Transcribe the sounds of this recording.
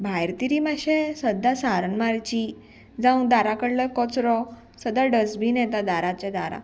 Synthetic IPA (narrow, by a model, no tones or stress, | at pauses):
bʱajɾt̪iɾimaɕẽsəd̪ːasaɾnmaɾt͡ɕi | d͡zãũd̪aɾakəɽləkɔt͡sɾɔ | səd̪ːaɖəsbinɛt̪ad̪aɾat͡ɕed̪aɾã̰